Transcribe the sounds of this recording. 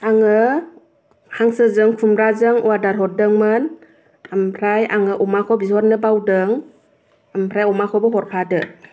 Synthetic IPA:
aŋɯ | haŋsɯzɯŋkʰumɾazɯŋuwadaɾɦɔt̚dɯŋmɯn | ampʰɾajaŋɯʔɔmakʰɔbizɔɾnɯbawdɯŋ | ampʰɾajɔmakʰɔbɯɦɔɾkʰadɯ

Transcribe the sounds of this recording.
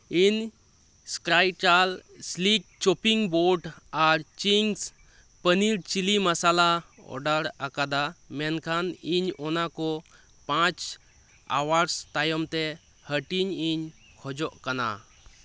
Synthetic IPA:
iɲ | skɾajt͡ʃalslik̚t͡ʃɔpiŋbɔɾɖaɾt͡ʃiŋs | pəniɽt͡ʃilimasalaɔ̰ɖaɾakad̪amɛnkʰaniɲɔnakɔ | pãt͡ʃ | a̰waɾst̪ajɔmt̪ɛ | həʈiɲiɲ | kʰɔd͡ʒɔʔkana̰

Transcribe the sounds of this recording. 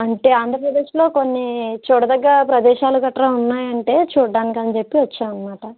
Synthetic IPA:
ɐɳʈe̞ːaːnd̪ʱɾɐpɾɐd̪e̞ːʂlo̞ːko̞nːit͡ʃuːɽɐd̪ɐɡːɐɾɐpɾɐd̪ɛːʃaːluɡɐʈːɐɾɐːunːaːjɐɳʈe̞ːt͡ʃuːɖaːnikiɐnt͡ʃe̞pːiʋɐt͡ʃːaːɐnːɐmaːʈɐ

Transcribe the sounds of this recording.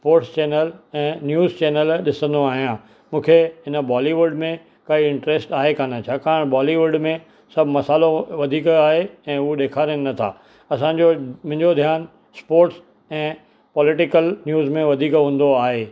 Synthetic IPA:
spoːɾʈst͡ɕɛːnəlɛ̃ːnjuːzt͡ɕɛːnəlɗɪsə̃nd̪oaːɦijã | mũːkʰeɦɪnə̆baːliʋʊɖmẽ | kɐiɪ̃ɳʈɾeːsʈaːɦekaːnət͡ɕʰaːkaːɽ̃baːliʋʊɖmẽ | sɐbʱɪmɐsaːloʋɐd̪ʱiːkaːɦeɛ̃ːʊoɗeːkʰaːɾənɐt̪ʰa̰ː | ɐs̬ãɲd͡ʑomʊ̃ɦɪ̃ɲd͡ʑod̪ʱijaːn | spoːɾʈs | ɛ̃ː | pɔlɪʈɪkəlnjuːzmẽʋɐd̪ʱiːkɦũːn̆d̪oaːɦeː

